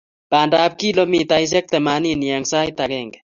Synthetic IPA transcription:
pandap̚kilomit̪ajs̬ek̚t̪ɛmaniniaŋsajt̪akeŋɡ

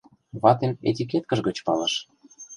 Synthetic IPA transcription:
βɑt̪enḛt̪ʲik̬et̪̚kə̆ʃɡət͡ɕpɑlə̆ʃ

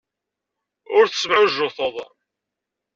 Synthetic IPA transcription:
ʊɾθsəmʕʊʒːʊθəðˤ

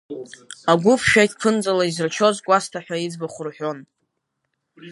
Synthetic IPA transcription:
aɡʷʊpʰʃᶣajtʰʼpʰɨnd͡zʼalaizrt͡ʃʰo̞zkʷʼastʰaħʷᶣaid͡zbaχʷʊrħʷᶣo̞n

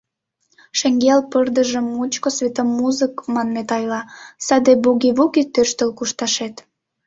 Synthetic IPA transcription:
ʃeŋɡelpərd̪əʒə̆mːut͡ɕkosvʲet̪omːuzəkmɑnmet̪ɑjlɑsɑd̪ebuɡiβuɣit̪ørʃt̪əlkuʃt̪ɑʃet̪

